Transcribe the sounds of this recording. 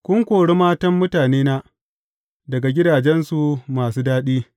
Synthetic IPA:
kʷʊ˦ŋkʷoː˨ɽe˦maː˦tɐ˦mːʊ˦taː˨neː˦naː˦ | dɐ˨ɡa˨ɡʲɪ˦daː˨d͡ʒɛ˦nsu˨maː˨suː˦daː˦ɗiː˦

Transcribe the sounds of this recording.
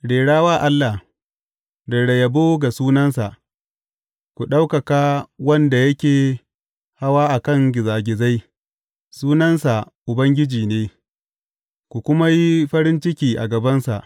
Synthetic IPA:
ɽeː˨ɽaː˦waː˦˨ʔa˦lːa˨ | dɐ˨ɽɐ˨jɐ˨boː˦ɡa˨suː˦nɐ˦nsa˨ʔ | kʷu˨ɗa˦wkɐ˨ka˦wɐ˦nda˨jɐ˦kʲeː˨ | ha˦waː˦ʔa˨kɐ˦˨ŋɡʲɪ˨zaː˨ɡʲɪ˨za˦j | suː˦nɐ˦nsa˨ | ʔʊ˨bɐ˦ŋɡʲɪ˦d͡ʒiː˨neː˦ | kʷu˨kʷʊ˦ma˦ji˦ɸɐ˦ɾɪ˦nt͡ʃɪ˦kʲiː˨ʔa̰˨ɡɐ˨bɐ˦nsa̰˨ʔ

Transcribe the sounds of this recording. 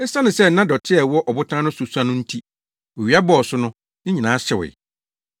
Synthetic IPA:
ɛ˦sã˦nɪ̃˨sɛ˦˨n̩˦nã˦dɔ˨tʰɪ˦ɛ˨wɔ˦ʔɔ˨bʊ˦tʰãː˦nʊ̃˦sʊ˨su˦ã˦nʊ̃˦n̩˦tʰi˦ | ɔ˨ɥi˨˦a˦bɔ˦˨ɔ˨sʊ˦nʊ̃˦ | nɪ̃˦ɲi˨nãː˨˦ɕɛ˨wɪ̰˨

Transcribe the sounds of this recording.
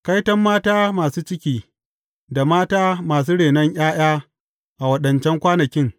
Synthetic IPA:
ka˦jtɐ˦mːaː˦taː˦maː˨suː˦t͡ʃɪ˦kʲiː˨ | da˨maː˦taː˦maː˨s̬uː˦ɽeː˨nɐ˦ɲʔj̰aː˦j̰aː˦ | ʔa˨wɐ˦ɗɐ˨nt͡ʃɛ˦ŋkʷaː˦nɐ˨kʲɪ˦ŋ

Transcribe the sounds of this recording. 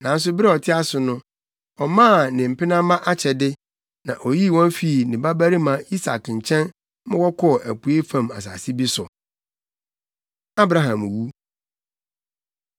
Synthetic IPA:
nã˨n̩˦s̬ʊ˦bɪ˦ɾɛ˦ɔ˨tʰɪ˦a˦sʊ˨nʊ̃˦ | ɔ˨mãː˦˨nɪ̃˨m̩˨pɪ˦nã˦mã˦ʔa˦t͡ɕʰɛ˨dɪ˦ | nã˨ʔo˨ji˦˨wɔ̃˦n˦fi˨nɪ̃˨ba˦bæ˦ɾi˦mã˨i˦sa̰˨kɲ̩˨t͡ɕʰɛ̃˦n | mʊ̃˦wɔ˦kʰɔ˦˨ʔæ˨pu˨e˦fã˦˨ma̰˨s̬a̰ː˨si˦bi˦sʊ˨ | a˦bɾa˨ɦã˨m˨wu˦

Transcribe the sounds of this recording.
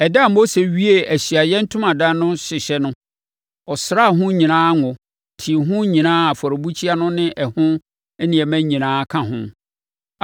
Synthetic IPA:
ɛ˨dã˦˨m̩˦mo˦se˨ɥi˦e˨æ˨ɕi˨a˨jɛ̃˦n̩˦tʰʊ̃˦mã˨dã˦nʊ̃˦ɕɪ˨ɕɛ˦nʊ̃˦ | ɔ˨sɾa˦˨ɦʊ̃˦ɲĩ˨nãː˦ŋʊ̃˨ | tʰi˨ɦʊ̃˦ɲĩ˨nãː˦a˨fɔ˨ɾo˨bu˦t͡ɕʰi˦a˦nʊ̃˦nɪ̃˦ʔɛ˨hʊ̃˦ | ɛ˦nɪ̃˨ɛ˨mæ̃˦ɲĩ˨nãː˦kʰã˨ɦʊ̰̃˦

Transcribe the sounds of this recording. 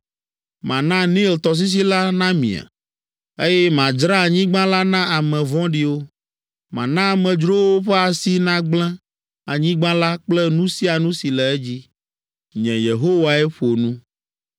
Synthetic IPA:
mã˨nã˦nĩ˦˨lt̪ɔ˨s̬i˦s̬i˦la˦nã˦mḭ̃˨a̰˨ | e˦jɛ˦mã˨d͡ʒɾa˦a˨ɲĩ˦ɡ͡bã˦la˦nã˦a˨mɛ̃˨vɔ̃˦ɖi˨wo˦ | mã̰˨nã˦a˨mɛ̃˨d͡ʒɾo˦wo˦ɸɛ˦a˨si˦nã˦ɡ͡blɛ̃˦ | a˨ɲĩ˦ɡ͡bã˦la˦k͡plɛ˦nũ˦si˦a˨nũ˦si˨lɛ˨ɛ˦d͡ʑi˦ | ɲɛ̃˨je˨ɦo˦wa˨ɛ˦ɸo˨nũ˦

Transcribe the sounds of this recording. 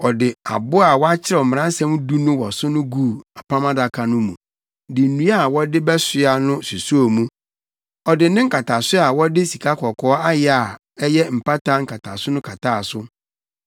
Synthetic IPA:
ɔ˨dɪ˨a̰˨bʊ˦a˨wɔ˦a˦t͡ɕʰɪ˦ɾɛ˨m̩˨m˨ã˦n˦sã˦mu˦du˦nʊ̃˦wɔ˨sʊ˦nʊ̃˦ɡuː˦˨a˨pʰa˦mã˦da˨kʰa˨nʊ̃˦mũ˨ | dɪ˨n̩˨nũ˦a˦˨wɔ˦dɪ˦bɛ˦sɪ˦a˨nʊ̃˦su˨su˦o˨mũ˦ | ɔ˨dɪ˨nɪ̃˦ŋ̩˦kʰa˨tʰa˨sʊ˦a˨wɔ˦dɪ˦si˨kʰa˦kʰɔ˨kʰɔː˨˦a˦jɪ˦a˨ | ɛ˦jɛ˦m̩˨pʰa˦tʰa˦ŋ̩˦kʰa˨tʰa̰˨sʊ˦nʊ̃˦kʰa˨tʰaː˦˨sʊ˦

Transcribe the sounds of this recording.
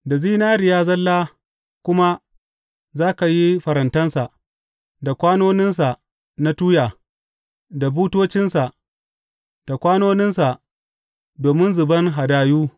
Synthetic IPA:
da˨ziː˦naː˦ɾɪ˨jaː˦zɐ˦lːaː˦ | kʷʊ˦ma˦ | zaː˦ka˨ji˦ɸɐ˨ɾɐ˨ntɐ˦nsa˨ʔ | da˨kʷaː˦noː˦nɪ˦ns̬a˨ | na˦tuː˦jaː˨ | da˨buː˦toː˦t͡ʃɪ˦nsa˨ʔ | d̥a˨kʷaː˦noː˦nɪ˦nsa˨ʔ | doː˨mɪ˦nzʊ˨bɐ˦ŋɦa˨daː˨juː˦

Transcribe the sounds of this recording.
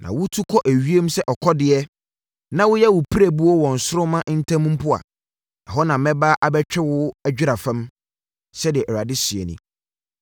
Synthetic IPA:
nʔã̰˨wʊ˦tʰu˦kʰɔ˦ʔæ˨ɥi˦e˦m˦sɛ˦ʔɔ˨kʰɔ˦dɪ˨ɛ˦ | nã˦wʊ˦jɛ˦wʊ˨pʰi˦ɾæ˨bu˦ɔ˦wɔ̃˨n̩˨sʊ˦ɾʊ˦mã˦ʔn̩˦tʰã˦mũ˦m˦pʊ˦a̰˨ | nã˨ɦɔ˦nã˨mɛ̃˦ba˦ʔa˨bɛ˦t͡ɕᶣɛ˦wʊ˦æ˦d͡ʑᶣɪ˦ɾa˨fã˦m | sɛ˦dɪ˨ɛ˨ʔɔ˨ɾa˨dɪ˦si˨ḛ˨nḭ̃˦

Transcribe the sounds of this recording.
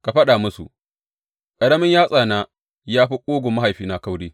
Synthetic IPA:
ka˨ɸɐ˦ɗa˨mʊ˦sṵ˨ | kʼɐ˨ɽɐ˦mɪ˦ɲjaː˦sʼaː˨na˦ | jaː˦ɸi˦kʷʼoː˦ɡʷʊ˨mɐ˦ha˨jɸiː˦na˨ka˦wɽeː˦

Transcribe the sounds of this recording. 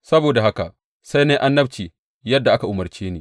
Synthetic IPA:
sɐ˦boː˨da˨ɦa˦ka˨ʔ | sa˦jneː˦ʔa˦nːɐ˦bt͡ʃiː˨ | jɐ˦dːa˨ʔa˦ka˨ʔʊ˨mɐ˨rt͡ʃeː˦neː˨

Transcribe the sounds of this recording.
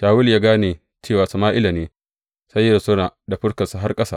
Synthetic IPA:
ʃaː˨wʊ˦ljaː˦ɡaː˦neː˨ | t͡ʃeː˦˨waː˨sɐ˨maː˦ʔɪ˦la˨neː˦ | sɐ˦jːɐ˦ɾsʊ˦naː˨da˨ɸʊ˦ɽkɐ˨sa˨ɦa˦rkʼɐ˦saː˦˨

